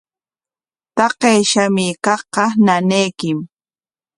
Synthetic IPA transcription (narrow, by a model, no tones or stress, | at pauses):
t̪ɑqejʃamɪkɑχqɑnanejkɪm